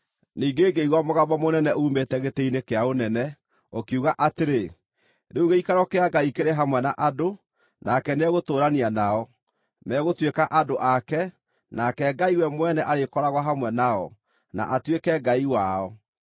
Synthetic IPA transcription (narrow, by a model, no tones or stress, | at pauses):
niːɡeːɡeiɣwɔmoɣaβɔmonɛnɛʔuːmetɛɣetɛinekeaonɛnɛ | okuɣaʔateɾe | ɾeuɣeikaɾɔkeaɡaikeɾeɦamwɛnaʔado | nʔakɛneɛɣotoːɾanianaɔ | mɛɣotwekaʔadoʔakɛ | nakɛɡaiwɛmwɛnɛʔaɾekɔɾaɣwaɦamwɛnaɔ̰ | na̰ʔatwekɛɡaiwaɔ